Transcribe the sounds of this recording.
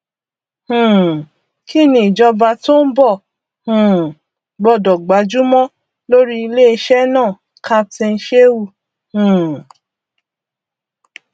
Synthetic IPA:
hũ˨ | ki˦˨nĩ˨i˨d͡ʒɔ˧ba˧to˦n̩˦bɔ˦˨ | hũ˨ | ɡ͡bɔ˧˨dɔ˨ɡ͡ba˨˦d͡ʒu˦mɔ̃˦ | lo˦ɾi˦i˧le˦e˧ʃɛ˦nãː˦˨ | kʰa˦tɛ̃˧n̩˧˦ʃe˦wu˧˨ | hũ˨

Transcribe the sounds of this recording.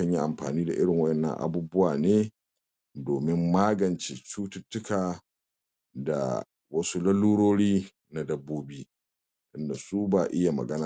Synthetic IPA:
ɐ˦˨ɲji˦ʔa˨mɸa̰ː˨niː˦da˨ʔɪ˦ɽɪ˨ŋwɐ˦ʔɛ˨nːɐ̰˦˨ŋʔa̰˨bu˦bʊ˦waː˨neː˦ | doː˨mɪ˦mːaː˦ɡɐ˨nt͡ʃe˨t͡ʃuː˦tʊ˦tːʊ˦kaː˨ | da̰˨ | wɐ˦su˦lɐ˦lːuː˦ɽoː˦ɽiː˦ | na˨dɐ˦bːoː˦biː˦ | tʊ˦nda˨su˦baː˦˨ʔɪ˦ja˨mɐ̰˨ɡɐ˦naː˨

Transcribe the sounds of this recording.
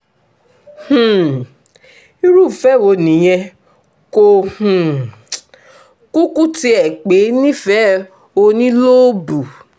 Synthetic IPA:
h̩˨ | i˦ɾu˦˨fɛ˦˨wo˧nĩ˨˦j̃ɛ̃˧ | ko˧h̩˨ | ku˦ku˦ti˦ɛ˨k͡pe˨˦nĩ˦fɛ˦ | o˧nĩ˦lo˦bu˨

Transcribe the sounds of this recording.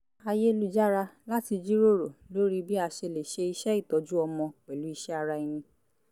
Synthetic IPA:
a˧je˦˧lu˦d͡ʒa˦ɾa˧la˦ti˧d͡ʒi˦ɾo˦ɾo˨lo˦ɾi˦bi˦a˧ʃe˧le˨ʃe˧i˧ʃɛ˦i˦˨tɔ˨˦d͡ʒu˦ɔ˧mɔ̃˧k͡pɛ˨lu˨˦i˧ʃɛ˦a˧ɾa˧i˧nĩ˧

